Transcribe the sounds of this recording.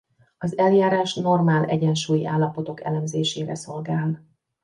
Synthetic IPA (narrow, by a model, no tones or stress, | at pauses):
ɒzɛljaːɾaːʃno̞rmaːlɛ̰ɟɛnʃuːjiʔaːlːɒpo̞t̪o̞kɛ̰lɛmzeːʃeːɾɛso̞lɡaːl